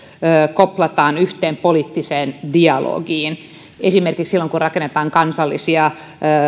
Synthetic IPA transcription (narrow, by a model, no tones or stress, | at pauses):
əːkoplɑt̪ɑːnyht̪eːmpoliːt̪ːiseːndiɑlo̰ːɡiːn | esimerkiksilːoŋkurrɑkenːet̪ɑːŋkɑnsɑlːḭsiɑː